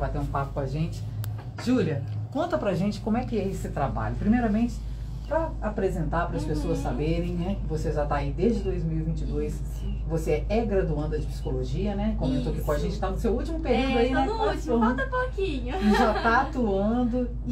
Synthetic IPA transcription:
vajt̪eɾũpapʊkõaʒẽt͡ʃɪ̥ | ʒ̥uliɐkõnt̪ɐpɾaʒẽt͡ʃɪ̥kõmʊɛkɪɛesɪt̪ɾaba̰ʎʊpɾimejɾɐmẽnt͡ʃɪ̥ | pɾɐapɾezẽnt̪aɾpɾɐspesoɐssabeɾẽj̃nɛkɪvoseʒat̪aaid̪ezd͡ʒɪd̪ojzmiwivĩnt͡ʃɪd̪ojs | voseɛɛɡɾad̪uɐ̃d̪ʊɐd͡ʒɪpsi̥koloʒiɐnɛkõmẽt̪oɐkikõɐʒẽnt͡ʃɪ̥t̪anʊsewut͡ʃimʊpeɾiwd̪ʊainɛut͡ʃoãɐpokĩɲʊʒat̪aat̪uɐ̃d̪ʊ

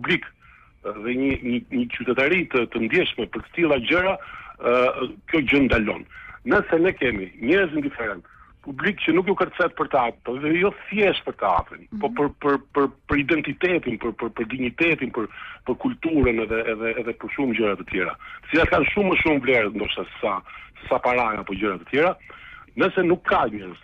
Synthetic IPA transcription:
publik | ðɛɲəɲəɲət͡ɕyt̪ɛt̪aɾit̪ət̪ənd̪jɛʃmɛpəɾt̪ə̥t̪ilˠad͡ʑəɾa | kjɔd͡ʑənd̪alɔ̰nːəsɛnɛkɛmiɲɛɾzind̪ifɛɾɛnt̪ | publikt͡ɕənukjɔkərt͡sɛt̪̚pəɾt̪əat̪pɔɛðɛjɔθjɛʃpəɾt̪əa̰t̪ɾḭnpɔpəɾpəɾpəɾpəɾid̪ɛnt̪it̪ɛt̪inpəɾpəɾpəɾd̪iɲit̪ɛt̪inpəɾpəɾkult̪uɾənɛðɛːðɛːðɛpəɾʃumd͡ʑəɾat̪ət̪jɛɾa̰t̪ə̥t͡silat̪kanʃumːəʃumvlɛɾət̪nd̪ɔʃt̪asə̥sasə̥sapaɾajapɔd͡ʑəɾat̪ə̥t̪jɛɾanəsɛnukʰːaɲɛɾz

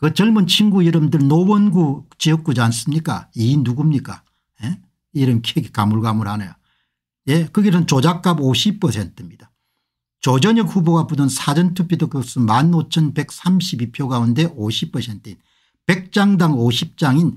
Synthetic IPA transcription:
kɯt͡ɕʌɭmɯnt͡ɕʰinɡuiɾɯmdɯɭnowʌnɡut͡ɕiʌk̚k͈ud͡ʑans͈ɯmɲik͈a̰iːnuɡumɲik͈a̰ | je | iɾɯmkʰieɡikamuɭɡamɯɭhanɯ̰jo | je̞kɯɡesʰɯnt͡ɕod͡ʑak͈aboɕʰipʰʌsʰe̞ntʰɯmɲid̥a | t͡ɕod͡ʑʌɲʌk̚huboɡapudʌnsʰad͡ʑʌntʰupʰitʰokos͈ɯmanot͡ɕʰʌnbe̞k̚s͈ʰamɕʰibipʰjoɡaunde̞ʔoɕʰipʰʌsʰe̞ntʰɯin | pe̞k̚t͡ɕ͈aŋdaŋoɕʰip̚t͡ɕ͈aŋin

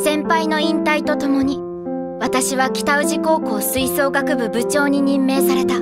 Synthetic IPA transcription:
sẽ̞mpaino̞ĩnt̪ait̪o̞t̪o̞mo̞ɲ̟i | βat̪aɕiβakʲi̥t̪aɯ̟ʑiko̞ːko̞ːsɨiso̞ːɡakɯ̟bɯ̟bɯ̟t͡ɕo̞ːɲ̟iɲ̟ĩmːe̞ːsaɾe̞t̪a

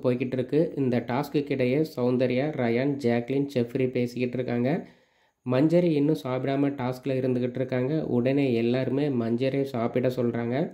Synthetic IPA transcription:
poːjɣɪʈːɪɾɯkːɯʔɪnd̪ɐʈaːskɯkːɪɽɐjeːsɐʊnd̪ɐɾɪjaːɾɐjaːnd͡ʒaːklɪnt͡ʃɛfɾipeːsɯkːɪʈːɪɾɯkːaːŋɡɐ | mɐɲd͡ʒɐɾiɪnːɯ̃saːpɪɽaːmɐʈaːskːɪlɐɪɾɯnd̪ɯɣɪʈːɾɯkːaːŋɡɐʔʊ̰ɽɐneːɛlːaːɾɯmeːmɐɲd͡ʒɐɾesaːpɪɽɐ̃sɔlːɾaːŋɡɐ

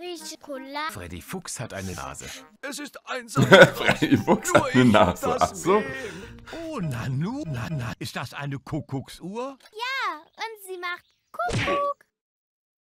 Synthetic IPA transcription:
viʃkʰolafʁ̥ɛ̰dḭfʊkshatʔaɪnəna̰ːzə̰ | ɛsɪstaɪnsfʁɛdifʊksʔaɪnənaːz̥ə̰ʔʔa̰z̥oːʔoːnanuːnanaʔɪstd̥asʔa̰ɪnəkʰʊkʰʊksʔuːɐjaːʔʊntz̥iːmaχt | kʰʊkʊk

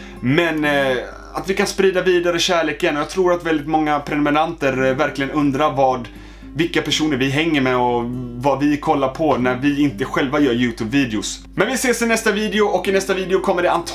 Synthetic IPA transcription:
mɛn | at̪vɪkanspɾiːd̪aviːd̪aɾəɕæːɭeːkənɔjɑɡt̪ʰɾuːɾat̪vɛld̪ɪt̪mɔŋːapʰɾɛnʊmɛnant̪əɾvæɾklɪɡənɵnd̪ɾaɾvɑːd̪ | vɪkːapʰæʂuːnəɾvɪɦɛŋːəɾmɛɔvavɪkʰɔlːaɾpʰɔnæɾvɪɪnt̪əɧɛlvajœːɾjʉ̟ːt̪ʰʉːbviːd̪ɛʊs | mɛnvɪseːsɪnɛst̪aviːd̪ɛʊɔkːɪnɛst̪aviːd̪ɛʊkʰɔmːəɖɛant̪ʰ

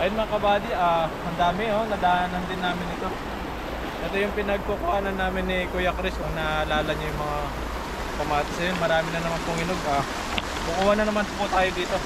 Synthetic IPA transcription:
ʔɐjonmɐŋakɐbaːd̪iʔahɐnd̪aːmɪnonɐd̪ɐanɐnd̪ɪnːaːmɪnɪt̪o̞ | ʔɛt̪ojʊŋpɪnɐɡ̚pokʊhaːnɐnːaːmɪnːɪkojɐkɾɪsoŋnɐlaːlɐŋɲʊjʊŋmɐŋa | pɐmaːt̪ɐsɐjnmɐɾaːmɪnɐnɐmanpʊŋɪnoɡʔaː | kʊkʊwanɐnɐmanpʊt̪aːjod̪iːt̪o̞

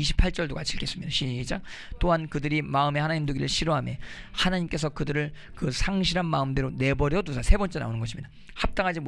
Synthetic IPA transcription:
iɕʰi̥pʰaɭt͡ɕ͈ʌɭdokat͡ɕʰiɭkʰe̞s͈ɯmɲid̥aɕʰiid͡ʑaŋ | t͈oɦankɯdɯɾimaɯme̞hanaɲimduɡiɾɯɭɕʰiɾoɦame̞ | hanaɲimk͈e̞sʰʌkɯdɯɾɯɭ | kɯsʰaŋɕʰiɾanmaɯmdeɾone̞bʌɾjʌdusʰasʰe̞bʌnt͡ɕ͈e̞na̰onɯnɡʌɕʰimɲida | hap̚t͈aŋɦad͡ʑim

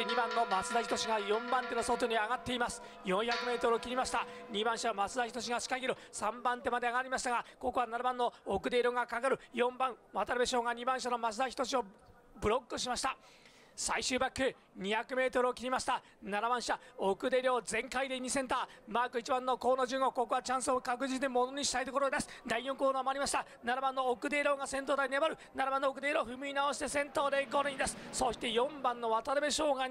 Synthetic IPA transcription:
ɲibãnːo̞mat͡sɨd̪açʲit̪o̞ɕiɡajõ̞mbãnt̪e̞no̞so̞t̪o̞ɲ̟iaɡat̪ːe̞imasɨ̥ | jõ̞ɰ̃çakɯ̟me̞ːt̪o̞ɾɯokʲiɾʲimaɕi̥t̪aɲ̟ibãɰ̃ɕanomat͡sɨd̪açi̥t̪o̞ɕ̬iɡaɕi̥kaɡʲiɾosãmbãnt̪e̞mad̪e̞aɡaɾʲimaɕi̥t̪aɡako̞ko̞anaɾabãnːo̞okɯ̟d̪e̞ɾʲo̞ːɡakakaɾɯ̟jõ̞mbãŋβat̪aɾɯbe̞ɕo̞ːɡaɲ̟ibãɰ̃ɕanomat͡sɨd̪açi̥t̪o̞ɕio̞ | bɯ̟ɾo̞kːɯɕimaɕi̥t̪a | saiɕɨːbakːɯ̟ | ɲ̟içakɯ̟me̞ːt̪o̞ɾɯ̟okʲiɾʲimaɕi̥t̪a | naɾabãɰ̃ɕit̪aokɯ̟d̪e̞ɾʲjo̞ːzẽ̞ŋkaid̪eɲ̟isẽ̞nt̪aːmaːkɯ̟it͡ɕibãnːo̞ko̞ːnoʑɨːŋɡo̞ko̞koβat͡ɕãɰ̃sɨokakɯ̟d͡ʑit͡sɨɲʲimo̞no̞ɲ̟iɕi̥t̪ait̪o̞koɾod̪e̞sɨ̥d̪aijõ̞ŋkoːd̪oːmoaɾʲimaɕi̥t̪a | naɾabãnːo̞okɯ̟d̪e̞ɾo̞ːɡasẽ̞nt̪od̪ainebaɾɯ̟naɾabãnːoːkɯd̪e̞ːɾo̞ːɸɯ̟mɯ̟inaoɕi̥t̪e̞sẽ̞nt̪o̞ːd̪e̞ɡo̞ɾɯɲʲd̪esɨ̥soɕi̥t̪e̞jõ̞mbãnːo̞βat̪aɾɯbe̞ɕo̞ːɡa

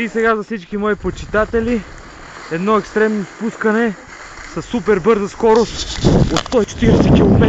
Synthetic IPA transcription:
isɛɡazɐfsit͡ʃkimɔipot͡ʃit̪at̪ɛli | ɛd̪nɔɛkst̪ɾɛmnospuskənɛ | sɐsːupɛɾbɤɾzəskɔɾost̪ot̪st̪ɔit͡ʃɛ̥t̪iɾɛsɛkʲilˠomɛ

